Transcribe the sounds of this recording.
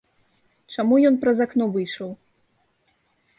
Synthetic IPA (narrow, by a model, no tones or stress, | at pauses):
t͡ʂamujɔnpɾɐzaknɔvɨjʂɐw